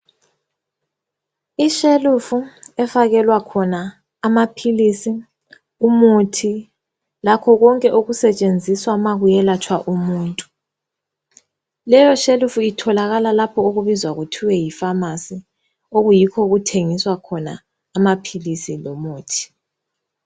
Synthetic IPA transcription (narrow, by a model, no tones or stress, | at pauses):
iʃelufuɛfaɣɛlwakʰɔnaː | mapʰilisi | umutʰi | lakʰɔɣɔŋkʼɛʔoɣusɛt͡ʃʼend͡zʱiswamaɣujɛlat͡ʃʰʼwaʔumuːntʼu | lɛjɔʃelufuitʰɔlaɣalalapʰɔoɣuβizwaɣutʰiwɛjifamasi | oɣujikʰɔɣutʰeŋiswakʰɔna̰ː | mapʰilisilɔmuːtʰi̥